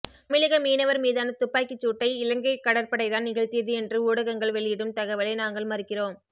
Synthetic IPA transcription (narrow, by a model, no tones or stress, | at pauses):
mɪlɐɣɐmiːnɐʋɐɾmiːðaːnɐt̪ʊpːaːkːɪt͡ʃːuːʈːɐɪɪlɐŋɡɐɪkːɐɽɐɾpɐɽɐɪðaːnnɪɣɐɭt̪iɐðɯɛndrɯuːɽɐɣɐŋɡɐɭʋɛɭɪjɪɽɯmt̪ɐɣɐʋɐlɐɪnaːŋɡɐɭmɐrɪkːɪroːm